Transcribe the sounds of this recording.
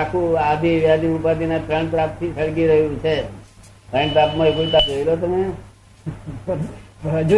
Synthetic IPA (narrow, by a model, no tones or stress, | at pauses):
akʰũad̪ʱiʋjad̪ʱiupat̪inepɾẽɳpɾap̚t̪ʰisəɭkiɾəɦjũt͡ʃʰe | pɾẽɳɖʈɾapmaekut̪ad͡ʒoilot̪̬əme | d͡ʒu